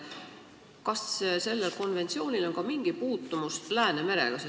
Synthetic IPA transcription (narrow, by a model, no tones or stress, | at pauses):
kɑsse̞lːelko̞nve̞nt̪sio̞ːnʲilo̞nkɑmiŋɡ̥ipuːt̪ːumust̪læːneme̞ɾe̞̰ɡ̥ɑse